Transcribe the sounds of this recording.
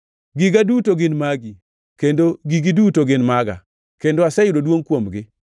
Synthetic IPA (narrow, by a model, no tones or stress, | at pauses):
ɡɪɡadutoɡɪnmaɡi | kendoɡiɡidutoɡɪnmaɡa̰ | kendoasɛjʊɾodwoŋkwomɡɪ